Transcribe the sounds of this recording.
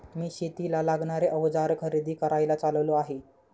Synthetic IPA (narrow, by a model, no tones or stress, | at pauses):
miːɕet̪ilalaɡɳaɾeʔəʋd͡zaɾkʰəɾid̪ʱiːkəɾajlat͡salloaɦe